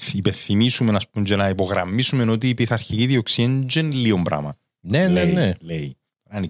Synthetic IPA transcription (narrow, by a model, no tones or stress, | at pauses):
ipenθimisumenɐspuɲd͡ʒenɐipo̞ɣɾɐ̰mːisume̞no̞t̪̬iːpiθɐɾçiciðioksieɲd͡ʒenlio̞mbɾɐ̰mɐ | nenenelei | ɾɐni